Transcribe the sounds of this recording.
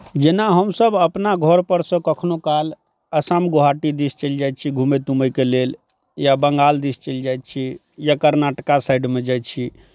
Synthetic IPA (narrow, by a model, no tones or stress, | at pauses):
d͡ʒenaɦəmsəbəpnaɡʱəɾpəɾsə̃kəkʰnokal | əsamɡoɦaʈid̪ist͡ʃəld͡ʒajt̪̚t͡ʃʰiɡʱumɛt̪uməjkelel | jabəŋɡald̪ist͡ʃəld͡ʒajt̪̚t͡ʃʰi | jakəɾnaʈkasajɖmed͡ʒaj̚t͡ʃʰi